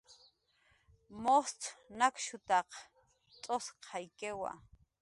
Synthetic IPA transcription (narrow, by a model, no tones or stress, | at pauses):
most͡sʰnakʃʊt̪ɑq | t͡sʼosqʰɑajkewa̰